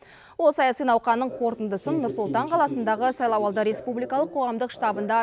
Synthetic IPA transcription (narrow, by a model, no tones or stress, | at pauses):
wolˠsɑjɑsijnɑwqɑnːəɴqʰo̞ɾt̪ənd̪əsənːʊɾsʊlˠt̪ɑɴqʰɑlˠɑsənd̪ɑʁəsɑjlˠɑwɑlˠd̪əɾe̞spublijkɑlˠəqʰːo̞ʁɑmd̪əqʃt̪ɑbənd̪ɑ